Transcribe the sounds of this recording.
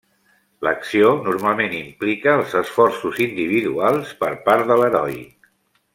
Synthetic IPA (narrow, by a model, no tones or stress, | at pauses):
lə̰ksionuɾmalˠmenimplikəːlˠzəsfɔrsuzind̪iβ̞iðualˠspəɾpaɾðələɾɔj